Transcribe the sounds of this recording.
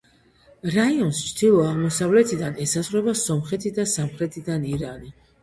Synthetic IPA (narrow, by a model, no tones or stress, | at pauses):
ɾaiɔnst͡ʃʰd̪ilˠɔaʁmɔsavlɛt̪ʰid̪anɛsazɾɛbasɔmχɛt̪ʰid̪asamχɾɛt̪ʰid̪aniɾani